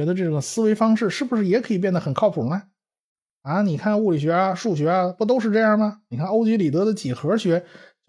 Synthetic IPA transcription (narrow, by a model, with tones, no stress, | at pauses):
ɛ˧˥d̪ə˧ʈ͡ʂɤ˥˩ɡə˩sɹ̩˥we˧˥ɪfɑ˥ŋʂɻ̩˥˧ʂɻ̩˥˩bu˩ʂɻ̩˥˩jɛ˧˥kʰɤ˧˥i˨˩p̬jɛ˥˩nd̪ə˩xə˨˩nkʰɑ˥˩ʊpʰu˨˩˦ma˥˩ | a˥˧ni˨˩kʰa˥˩˧nu˥˩li˨˩ɕɥɛ˧˥a˧ʂu˥˩ɕ̬ɥɛ˧˥a˧pu˥˩t̪̬o˥ʊʂ̬ɻ̩˥˧ʈ͡ʂɤ˥˧jɑ˥˩ŋmɐ˩ni˨˩kʰa˥˧no˥ʊt͡ɕi˧˥li˨˩t̪ɤ˧˥d̪ə˧t͡ɕi˨˩xɤ˧˥ɕɥɛ˧˥